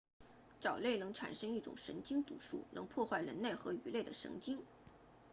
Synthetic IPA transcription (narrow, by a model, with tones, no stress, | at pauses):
ʈ͡ʂɑ˨˩ʊle˥˩ɪnɤ˧˥ŋʈ͡ʂʰa̰˨˩nʂɤ˥ŋi˥˩ʈ͡ʂʊ̰˨˩ŋʂə̰˧˥ŋt͡ɕi˥ŋt̪ṵ˨˩ʂṵ˥˩nɤ̰˧˥ŋpʰwɔ˥˧xwa˥˩ɪɻə̰˧˥nle˥˩ɪxɤ˧˥y˧˥le˥˩ɪd̪ə˩ʂɤ̰˧˥ŋt͡ɕi˥ŋ